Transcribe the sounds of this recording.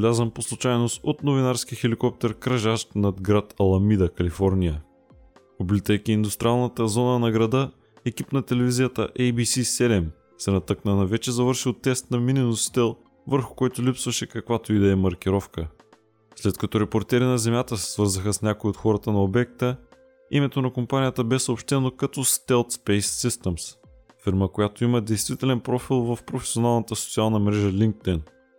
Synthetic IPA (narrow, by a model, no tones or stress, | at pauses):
lʲazəmposlˠut͡ʃajnost̪ot̪novinaɾskixɛlikɔp̚t̪ɛɾkɾɐʒaʃt̪nɐd̪ɡɾat̪ɐlˠɐmid̪əkɐlifɔɾnʲijə | oblit̪əjkʲiːnd̪ʊst̪ɾʲialˠnət̪əzɔnənɐɡɾɐd̪ɤ | ɛkipnɐt̪ɛlɛvizijət̪ə̰ʔɛjbisisɛlɛm | sɛnɐt̪ɤknənɐvɛt͡ʃɛzɐvəɾʃilˠt̪ɛst̪nɐmininosi̥t̪ɛlˠ | vəɾxʊ̥kɔjt̪olipsvəʃɛkɐkvat̪oid̪ɛɛmɐɾk̟iɾɔfkə | slɛt̪kɐt̪ɔɾɛpoɾt̪ɛɾinɐzɛmʲjat̪əsɛ̥svɤɾzəxəsnʲakoiot̪xɔɾət̪ənɐobɛk̚t̪ə | imɛt̪onɐkompanʲijət̪əbɛsəopʃt̪ɛnokɐt̪ɔst̪ɛlˠt̪spɛjsːist̪ɛms | fiɾməkojat̪oiməd̪ɛjst̪vit̪ɛlɛnpɾɔfilˠvɐfpɾofɛ̥sionalˠnət̪əso̥t̪sialˠnəmɾɛʒəlʲiŋk̚t̪ɛn